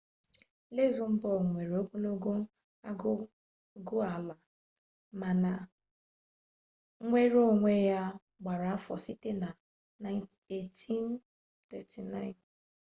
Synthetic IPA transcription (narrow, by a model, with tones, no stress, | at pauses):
le˦zʊ˨m̩˦bɔ˦˨ŋʷe˨ɾe˨o˦ku˦no˦ɡo˦ | a˦ɡʊ˦ | ɡʊ˦a˨la˨ | ma˨na˨˦ | ŋʷe˦ɾo˦ŋʷe˦ja˦ | ɡ͡ba˨ɾa˨a˦fɔ̰˨si˦te˦na˨ | na˦ɪ | e˦ti˦n | tɛ˨tʰi˨na˦ɪ˨n